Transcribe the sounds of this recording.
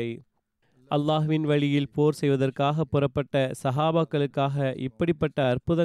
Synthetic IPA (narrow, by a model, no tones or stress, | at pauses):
ɐɪ | ʔɐlːaːɦʋɪnʋɐɻɪjɪlpoːɾsɛjʋɐðɐrkaːɣɐpːʊrɐpːɐʈːɐsɐɦaːbaːkːɐɭɯkːaːɣɐʔɪpːɐɽɪpːɐʈːɐɐrpɯðɐ